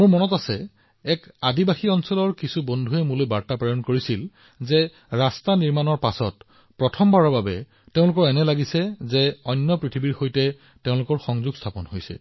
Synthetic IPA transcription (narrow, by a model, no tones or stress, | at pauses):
muɹmɔnɔtasɛ̰ | ɛkadibaxiɔnsɔlɔɹkisubondʱuɛmulojbaɹtapɹajɔnkoɹisil | zɛ | ɹastaniɹmanɔɹpasɔt | pɹɔtʰɔmbaɹaɹbabɛ | teʊ̃lʊkɔɹɛnɛlaɡisɛzɛɔjnːɔpɹitʰibiɹxojtɛ | teʊ̃lʊkɔɹxɔŋzuɡstʰapɔnhojsɛ̰